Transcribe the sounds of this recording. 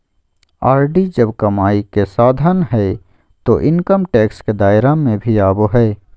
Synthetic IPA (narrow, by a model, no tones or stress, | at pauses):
aːɾɖid͡ʒɐbkɐmaːikesaːd̪ʱənɦɛː | t̪oʔɪnkəmʈɛːksked̪aːɪɾamẽbʱiaːboɦɛː